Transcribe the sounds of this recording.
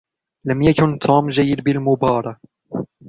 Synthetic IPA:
lamjakʊnt̪ʰuːmʒajːɪd̪bɪlmʊbɑːɾˤɑk

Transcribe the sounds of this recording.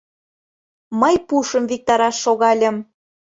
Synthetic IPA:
məjpuʃə̆mvik̚t̪ɑɾɑʃːoɣɑlʲə̆m

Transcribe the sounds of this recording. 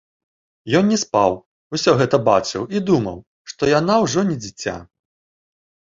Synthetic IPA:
jɔnnʲɛspaw | usʲɔɣɛt̪ɐbat͡ʂɨwid̪umɐ̰w | ʂt̪ɔjanawʐɔnʲɛd͡zʲit͡sʲa̰

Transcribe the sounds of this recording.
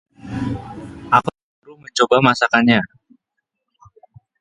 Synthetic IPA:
ʔakut | ɾuməɲt͡ʃobamasakanɲa

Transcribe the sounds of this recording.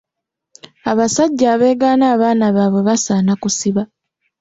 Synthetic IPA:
aβasaɟːaːβe̞ːɡaːnaːβaːnaβaβwe̞βasaːnakusiβa

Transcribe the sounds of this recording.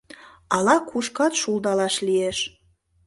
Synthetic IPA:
ɑlɑkʰuʃkɑt̪ʃulˠd̪ɑlɑʃlieʃ

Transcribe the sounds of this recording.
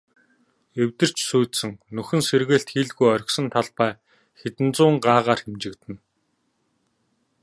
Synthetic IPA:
ewʲt̪ɘ̆r̥t͡ɕsuːt̪sɘ̆ŋnɵxɘ̆nserɣɘ̆ːɬt̪xiːɮɣujœɾ̆ʲksɞ̆nt̪ʰaɮpæː | xet̪ɘ̆nt͡sʊːŋɢaːʁaːrxemt͡ɕɪ̆kt̪ɘ̆n

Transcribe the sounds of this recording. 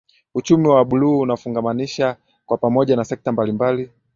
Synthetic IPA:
ut͡ʃumiwaɓuluːnafuŋɡamaniʃa | kwapamɔʄanasɛk̚tambalimbali

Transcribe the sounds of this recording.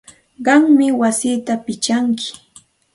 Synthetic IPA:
ɢɑŋmɪwasiːt̪apɪt͡ʃaŋkʰɪ̥

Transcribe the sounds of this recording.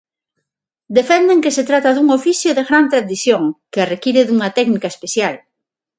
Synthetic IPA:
d̪efɛnd̪eŋkeset̪ɾat̪aðuŋofiθjoðeɣɾant̪ɾaðiθjoŋkearekiɾeðuŋat̪ɛknikaespeθjal

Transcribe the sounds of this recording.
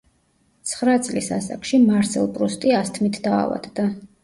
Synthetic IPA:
t̪sʰχɾat̪sʼlisasa̰kʰʃimaɾsɛ̰lˠpʼɾust̪ʼiast̪ʰmit̪ʰd̪̥a̰ːva̰d̪̥d̪a

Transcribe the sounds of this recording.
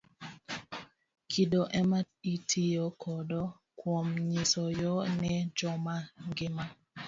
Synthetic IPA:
kʰidoʔɛma | itʰijɔkʰɔdɔ | kwomɲɪsɔjɔnɛd͡ʒɔmaŋɡɪma

